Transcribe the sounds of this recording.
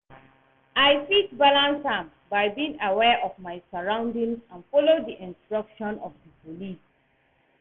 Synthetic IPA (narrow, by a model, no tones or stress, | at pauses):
aɪfitbalãnsãm | baɪbiĩŋawɛʔɔfmaɪsaɹãʊ̃ndĩŋzãnfɔlodiʔɪ̃nstɹʌkʃɔ̃nɔfdəpolis